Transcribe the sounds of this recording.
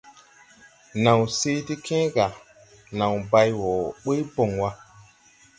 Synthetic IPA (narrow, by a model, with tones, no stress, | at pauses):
na˨wse˦ti˦kʰẽ˦ɡa˨ | nã˨wba˦jwɔ˨ɓə˦jbo˨ŋwa˦